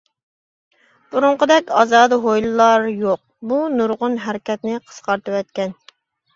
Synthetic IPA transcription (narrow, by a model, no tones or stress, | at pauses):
b̥uɾʊɴqəd̪ɛkʲɑːzɑːd̪ɨɦojlˠɨlˠɑɾjoq̚bunuɾʁʊnɦæɾɪkʲɛt̪nɪqʰə̥sqʰɑɾt̪ɨwɛt̪̚kʲɛn